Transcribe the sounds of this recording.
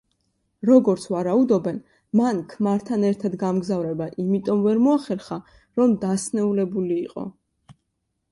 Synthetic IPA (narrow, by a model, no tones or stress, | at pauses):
ɾɔɡɔɾt̪sʰvaɾaud̪ɔbɛn | mankʰmaɾt̪ʰanɛɾt̪ʰad̪ɡamɡzavɾɛbaʔimit̪ʼɔmvɛɾmɔaχɛɾχa | ɾɔmd̪asnɛulɛbuliːqʼɔ̰